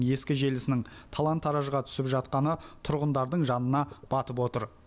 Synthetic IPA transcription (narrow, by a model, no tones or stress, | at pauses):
ŋje̞skʲɪʒe̞lɪsɪnɪŋt̪ʰɑlˠɑnt̪ʰːɑɾɑʒəʁɑt̪ʰʏ̥sɪpʒɑt̪̚qɑnət̪ʰʊɾʁənd̪ɑɾd̪əɴʒɑnənɑb̥ɑt̪əpwo̞t̪əɾ